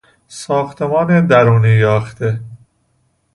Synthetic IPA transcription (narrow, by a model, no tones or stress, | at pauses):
sɒːxt̪ʰemɒːned̪æɾuːniːjɒːxt̪e